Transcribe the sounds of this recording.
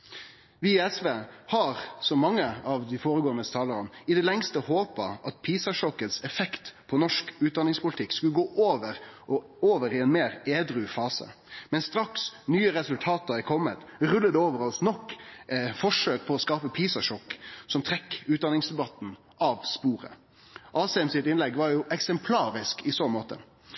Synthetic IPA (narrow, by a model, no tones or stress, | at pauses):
ʋɪɛsʋeːhɑɾsɔmɑŋːəɑʋd̪ɪfoːɾəɡoːənəst̪ʰɑːləɾənɪd̪ɛlɛŋst̪əhoːpə̰ʔɑt̪̚pʰiːsɑʂɔkət̪sɛfɛkt̪pʰɔnɔʂkʉːt̪̚d̪ɑnɪŋspʊlɪt̪ʰɪkːskʉləɡoːʔoːʋəʁ | oːʋəɾɪɛnmeːɾeːd̪ɾʉfɑːsə̰ | mɛnst̪ɾɑksnyːəɾɛsʉlt̪ʰɑːt̪əɾɛkʰɔmːət̪ʁʉlːəd̪ɛoːʋəɾɔsnɔkː | fɔʂøːk̚pʰɔɔskɑːpəpʰiːsɑʂɔkːsɔmt̪ʰʁɛkːʉːd̪ɑnɪŋsd̪ɛbɑt̪n̩ | ʔɑʋspuːʁə̰ | ʔɑːsɛɛmsɪt̪ɪnlɛɡʋɑɾjʊʔɛksɛmpʰlɑːɾɪskɪsɔmoːt̪ə̰